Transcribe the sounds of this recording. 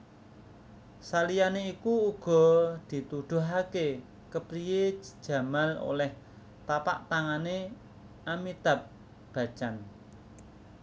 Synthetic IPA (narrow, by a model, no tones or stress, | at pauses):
salijaneikuuɡ̥ɔ̤d̪̥i̤t̪ud̪̥ṳɦake | kəpɾije̥ʒ̥ä̤malo̰lɛh | t̪apa̰ʔt̪aŋane | ʔamit̪ap̚ | b̥ä̤̥t͡ʃan